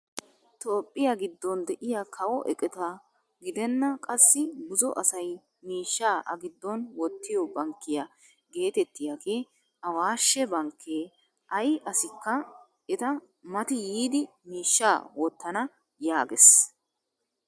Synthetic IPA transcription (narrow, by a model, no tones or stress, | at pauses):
t̪oːpʼːɪjaɡɪd̪ːɔnd̪ɛʔɪjakʰɐwɔʔɛ̰kʼɛt̪ɐ | ɡɪd̪ɛnːɐkʼɐsːɪɡʊzɔ̰ʔɐsɐj | miːʃːaːʔɐ̰ɡɪd̪ːɔnwɔt̪ːɪjɔbɐŋkːɪjɐ | ɡe̞ːt̪ɛt̪ːɪjaɡe̞ː | ɐwaːʃːɛbɐŋkʰːeː | ʔɐjʔɐsɪkːɐ | ɛt̪ɐ | mɐt̪ɪjiːd̪ɪ | miːʃːaːwɔt̪ːɐnɐ | jaːɡɛs